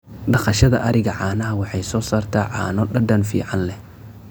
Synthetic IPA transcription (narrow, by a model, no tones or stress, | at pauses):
ɖɑχɑʃɐðɐʔɐɾɪɣɐʕɑːnɐɦɐwɑħɑjsɔːsaːrt̪ʰaːʕɑ̰ːnɔɖɐɖɐnfḭːʕɑnlɛ